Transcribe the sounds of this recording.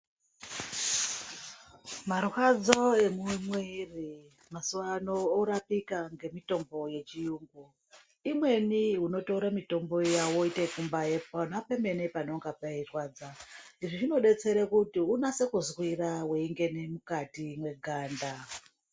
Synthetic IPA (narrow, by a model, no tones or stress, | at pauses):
marwad͡zo̞e̞mumweri | masuwanoːɾapikaŋɡe̞mito̞mbo̞je̞t͡ʃijuːŋɡu | imwe̞niɦuno̞touɾamito̞mbo̞jawoitekumbajeponapeme̞nepano̞ŋɡapairwaːd͡zaniʐiʐino̞ɗe̞t͡se̞ɾekutiunase̞kuzwiraweiŋɡe̞ne̞mukatimwe̞ɡʱaːnda